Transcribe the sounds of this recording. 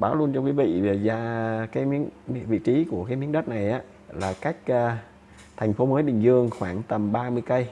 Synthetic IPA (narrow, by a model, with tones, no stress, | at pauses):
ɓaː˧˩˦wlu˧ənt͡ɕɔ˧kwi˨˦vḭ˧˨ve˨˩zaː˧kaː˨˦jmi˨˧˥ənvḭ˧˨t͡ɕi˨˦ku˧˩əkaː˨˦jmi˨˦ənɗə˦˥t̚na˨˩jʔaː˨˦ | laː˨˩ka˦˥jk̟̚əː˨˧ | t̪ʰɛ˨˩ŋ̟fo˨˦məː˨˦jɓï˨˩ŋ̟zɨ˧əŋxwaː˧˩ŋt̪ə˨˩mɓaː˧mɨ˧əjkə˧j